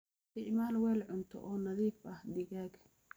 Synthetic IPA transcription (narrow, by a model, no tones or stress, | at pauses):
t̪ɪʕmaːlwɛːlʕʊnt̪ʰɔ̰ʔɔːnɐðiːfɐhd̪ɪɣaːɡ